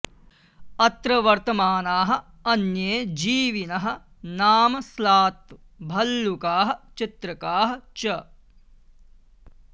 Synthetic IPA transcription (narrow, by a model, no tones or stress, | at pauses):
ɐt̪ɾɐʋɐɾt̪ɐmaːnaːɦɐ̆ | ɐnjeːd͡ʒiːʋinɐɦɐ̆ | naːmɐslaːt̪ | bʱɐlːukaːɦɐ̆t͡ʃit̪ɾɐkaːɦɐ̆t͡ʃɐ